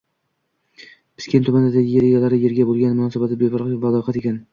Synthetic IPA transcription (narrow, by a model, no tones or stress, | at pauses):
pʰɪ̥skʲent̪ʰʊmand̪ad̪aɡʲɪjeɾeɡʲalaɾɪjeɾɡʲabolˠɡʲanmʊnɒːsabat̪ɪbebɑɾvalɒqɑt̪ekʲan